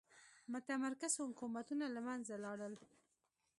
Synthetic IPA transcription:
mʊt̪amaɾkashʊkumat̪unalamanzalɑɽəl

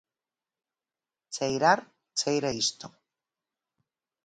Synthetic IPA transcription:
t͡sejɾaɾ | t͡sejɾaist̪o

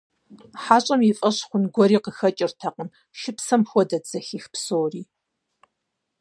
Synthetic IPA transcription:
ħaːɕʼɐmjifʼɐɕχʷʊnɡʷɔɾiːqəxɐt͡ʃʼɪrtʰɐqəm | ʃɪpsɐmxʷɔdɐd͡zɐxiːxpsoːriː

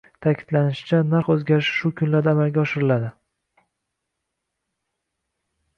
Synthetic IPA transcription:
t̪ʰakʲʰɪd̪lanɪʃɪ̥t͡ʃʰanaɾqɵzɡʲaɾɪʃʃʊkʲʰʊnlaɾd̪aːmalɡʲaɒʃɪɾɪlad̪ɪ

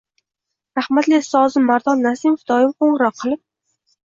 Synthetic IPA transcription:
ɾahmat̪lesɒzɪmːaɾd̪ɒnːasɪmofd̪̥ɒjɪmqoɴɾɒqʰːɨlˠɪp̚

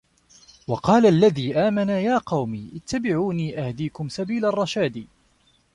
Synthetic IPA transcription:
wɑqɑːlalːaðiːʔaːmanajaːqɑwmiːʔɪt̪ʰːabɪʕuːniːʔahd̪iːkʊmsabiːlarˤːɑʃaːd̪iː

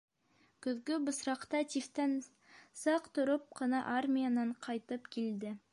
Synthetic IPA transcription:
kɵ̆ðɡɵbŏsɾɑqt̪ɑt̪ʲift̪æn | sɑqt̪ŏɾop̚qɤ̆nɑʔarmʲijanɑɴqʰɑjt̪ɤpkild̪ɘ

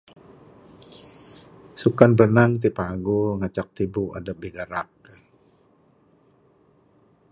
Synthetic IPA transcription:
sukanbənaŋt̪̬ipaɡuŋat͡ʃak̚t̪ibua̰dabiɡaɾak

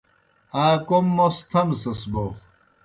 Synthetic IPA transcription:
aːkomːost̪ʰɐmsɐsbo

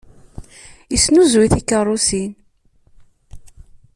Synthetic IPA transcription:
isnuzwiθikːərˤːʊsin

